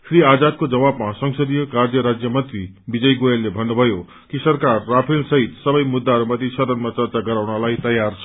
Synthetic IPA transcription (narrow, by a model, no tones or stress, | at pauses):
sriad͡zad̪̚kod͡zʌβabmasʌŋsʌd̪ijʌkardjʌɾad͡zjʌmʌnt̪ri | bid͡zʌjɡojelːebʱʌnːubʱʌjo | kisʌrkarːapʰilsʌɦit̪sʌbʌjmud̪ːaɦʌɾumʌt̪ʰisʌd̪ʌnmat͡sʌrt͡saɡʌɾawnʌlajt̪ʌjart͡sʰ